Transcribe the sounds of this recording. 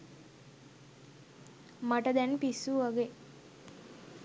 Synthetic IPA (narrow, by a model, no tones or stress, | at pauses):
maʈəd̪ɛnpisuʋaɡe